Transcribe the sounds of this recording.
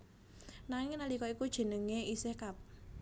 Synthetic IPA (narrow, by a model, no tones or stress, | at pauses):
naŋɪŋnalikɔikud̥ʒ̥ə̤nəŋeisehkap̚